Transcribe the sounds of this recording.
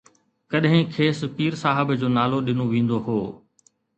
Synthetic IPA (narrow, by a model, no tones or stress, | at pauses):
kɐɗɦɪ̃kʰeːspiːɾsaːɦɪbd͡ʑoːnaːloɗɪnoʋĩːn̆d̪oɦoː